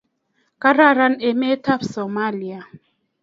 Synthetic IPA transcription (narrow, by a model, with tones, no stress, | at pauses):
ka˦ɾa˦˨ɾa˦nɛ˨mɛ˦tʰa˦psɔ˨ma˦li˨a˨